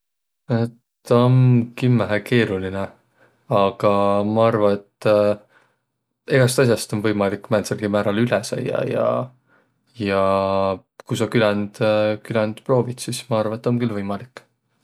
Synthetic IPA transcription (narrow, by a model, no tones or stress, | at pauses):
etː | omkymæɦæke̞ːɾuline | ɑɡ̥ɑmɑɑrvɑet̪ː | eɡ̥ɑst̪ɑs̬ʲjɑst̪o̞nvɤjmɑlikːmæːnselɡ̥imæːɾɑlylesɑ̰jɑ̰jɑ̰ | jɑ | kujsɑkylænd̪̥kylɛnd̪̥pro̞ːvit̪sismɑɑrvɑet̪ːomkylvɤjmɑlikːˑ